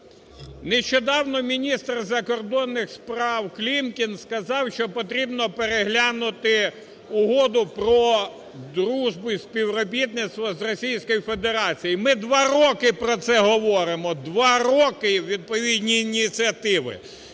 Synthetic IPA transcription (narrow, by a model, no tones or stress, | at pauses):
neʃt͡ʃɔd̪ɑwnɔmʲinʲist̪rzɐkɔrd̪ɔnːɪxspɾɑwklʲimkʲinskɐzɑwʃt͡ʃɔpɔt̪ɾʲibnɔpeɾeɦlʲanʊt̪ɪ | ʊɦɔd̪ʊpɾɔ | d̪ɾuʒbʊisʲpʲiwɾɔbʲit̪nɪt̪st̪ʋɐzrɔsʲijsʲkɔjifed̪eɾɑt͡sʲijimɪd̪ʋɑɾɔkɪpɾɔt̪sɛɦɔʋɔɾɪmɔd̪ʋɑɾɔkɪwʲʋʲid̪̚pɔʋʲid̪ʲnʲiːnʲit͡sʲiɐt̪ɪʋɪ̰